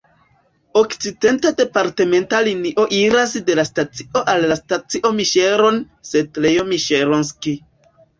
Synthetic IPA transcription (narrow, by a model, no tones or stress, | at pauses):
okt͡side̞ntade̞paɾteme̞ntaliniʔo̞ʔiɾas̬de̞lastat͡si̥ʔo̞ʔalːastat͡siʔo̞miʃe̞ɾo̞n | se̞d̚lejomiʃeɾons̬ki